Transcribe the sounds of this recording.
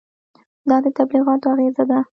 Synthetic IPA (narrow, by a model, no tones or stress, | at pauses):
d̪ɑd̪ət̪abliɣɑt̪oaɣezad̪a